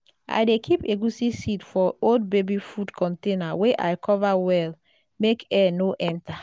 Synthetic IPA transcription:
ʔa̰jdekʰipeɡusisitfɔold̚bebifudkʰɔ̃ntenaweʔa̰jkʰɔvawɛl | mekɛnoʔɛ̃nta

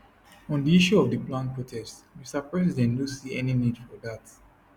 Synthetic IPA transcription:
ɔ̃ndiiʃuɔvdəplãnpʰɹotʰɛstmisapɹɛsidɛ̃nlusiɛninidfɔðat

